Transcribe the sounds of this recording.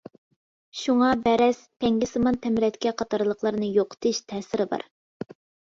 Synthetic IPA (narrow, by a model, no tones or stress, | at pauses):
ʃuŋɑbɛɾɛsp̪ʰɛŋɡʲɪsɨmɑnt̪ʰɛmɪɾɛt̪kʲɛqʰɑt̪ʰɑɾlˠəqlˠəɾnɨjoqʰə̥t̪ʰɨʃt̪ʰɛːsɪɾɪbɑ̰ɾ